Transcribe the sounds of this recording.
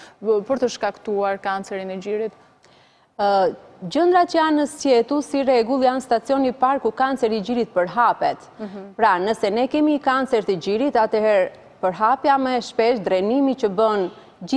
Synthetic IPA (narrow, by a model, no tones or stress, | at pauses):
pəɾt̪əʃkakt̪uaɾkant͡sɛɾinɛd͡ʑiɾit̪ | d͡ʑənd̪ɾat͡ʃəjanːəsjɛt̪usirɛɡulˠjanst̪at͡siɔnipaɾkukant͡sɛɾid͡ʑiɾit̪̚pəɾɦapɛt̪ | pɾanəsɛnɛkɛmikant͡sɛɾt̪əɟiɾit̪at̪ɛɦɛɾ | pəɾɦapjamɛʃpɛʃd̪ɾɛnimit͡ɕəbən